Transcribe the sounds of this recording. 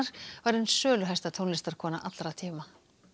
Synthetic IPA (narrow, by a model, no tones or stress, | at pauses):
ɾ̥vaɾʏnsœːlʏɦɛst̪aðt̪ʰownlɪst̪aɾðkʰɔːna̰ʔat̪lɾat̪ʰiːma